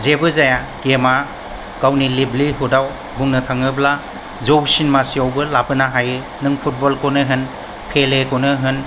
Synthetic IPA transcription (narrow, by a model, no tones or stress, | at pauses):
zebɯzaja | kema | kawnilibliɦudaw | buŋnɯtʰaŋɯbla | zowsinmasiawbɯlapɯnaɦajɯ | nɯŋpʰut̚bɔlkɔnɯɦɯn | pʰelekɔnɯɦɯn